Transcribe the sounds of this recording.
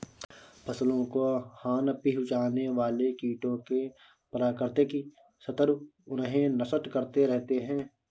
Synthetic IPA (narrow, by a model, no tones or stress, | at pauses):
pʰɐslõkohaːnpiɦʊt͡ʃaːneʋaːlekiːʈõke | pɐɾaːkəɾt̪eki | sɐt̪əɾ | ʊnɦẽnɐsət̪kɐɾt̪eɾɛɦt̪eɦɛ̃ː